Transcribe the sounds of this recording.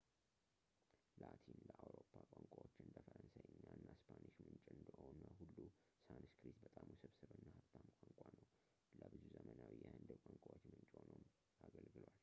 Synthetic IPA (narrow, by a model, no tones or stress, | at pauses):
lat̪ʰinləʔawɾopʰːakʷʼaŋkʷʼawot͡ʃːɪɨnd̪əfəɾənsajɨɲːaɨnːaspʰaniʃmɨnt͡ʃʼɨnd̪əhonəɦulːusanskɾisbət̪ʼamusɨβsɨβɨnːahat̪ʰːamkʷʼaŋkʷʼanəw | ləbɨzuzəmənawijɛhɨnd̪ɨbkʼaŋkʷʼawot͡ʃːmɨnt͡ʃʼonəwm | aɡəlɡɨlwal